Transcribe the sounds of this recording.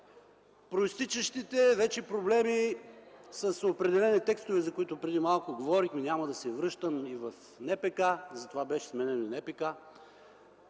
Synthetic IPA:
pɾoist̪it͡ʃəʃt̪it̪ɛvɛt͡ʃɛpɾoblɛmi | sɐsopɾɛd̪ɛlɛnit̪ɛkst̪ʊvɛzɐkoit̪ʊpɾɛd̪imalˠkʊɡovɔɾixminʲamɐd̪ɐsɛvɾɤʃt̪əmivɐf | nɛpɛkazɐt̪ovabɛʃɛ̥smɛnɛnonɛpɛka

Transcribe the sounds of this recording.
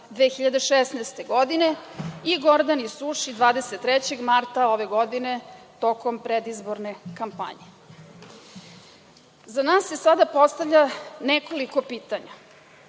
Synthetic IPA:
d̪ʋeːxiʎad̪eʃesnaːst̪eɡo̞d̪ine̞iɡoɾd̪anisuʃid̪ʋaːd̪e̞set̪ːɾɛt͡ɕeɡmaɾt̪ao̞ʋe̞ɡo̞d̪inet̪o̞kompɾed̪izboɾne̞kampa̰ɲe | zanaːsːe̞sad̪apo̞st̪avʎʲanekoliko̞piːt̪aɲa

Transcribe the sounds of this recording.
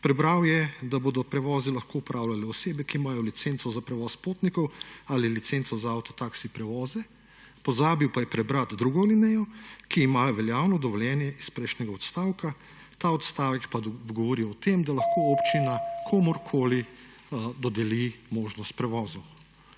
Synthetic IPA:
pɾɛbɾawjɛd̪aboːd̪ɔpɾɛʋɔːzilaxkoupɾaːwlʲalɛɔseːbɛkiːmajɔlit̪sent̪sɔzapɾɛʋɔːspoːt̪nikɔwalilit̪sent̪sɔzaawt̪ɔt̪aksipɾɛʋɔːzɛ | pɔzaːbiwpajɛpɾɛbɾat̪d̪ɾuːɡɔlinɛjɔkiːmajɔʋɛljaːwnɔd̪ɔʋɔljɛːnjɛispɾɛjʃnɛɡaɔt̪st̪aːwka | t̪aːɔt̪st̪aːʋɛkpaɡɔʋɔɾiwɔt̪emd̪alɐxkʰoopt͡ʃinakʰɔːmɔɾkʰoli | d̪ɔd̪ɛlimoːʒnɔst̪̚pɾɛʋɔːzɔ

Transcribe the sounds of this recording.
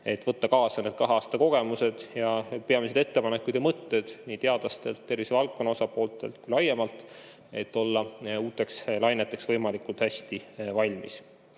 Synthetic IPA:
e̞t̪vɤt̪ːɑkɑːsɑned̥̪̚kɑɦeɑːst̪ɑko̞ɡ̥e̞muse̞d̪̥jɑpe̞ɑmis̬e̞d̪̥e̞t̪ːe̞pɑne̞kːud̪̥jɑmɤt̪ːe̞d̪̥niːt̪eɑd̪̥lɑst̪e̞̰lt̪ːe̞rvisevɑlkːˑo̞nːɑo̞sɑpˑo̞ːlt̪ːˑelt̪̚kujlɑjːe̞mɑlt̪ˑ | e̞t̪ːˑo̞lːɑuːt̪ːˑe̞kslɑjne̞t̪ːˑe̞ksvɤjmɑlikult̪hæsʲt̪ivɑlʲmḭs

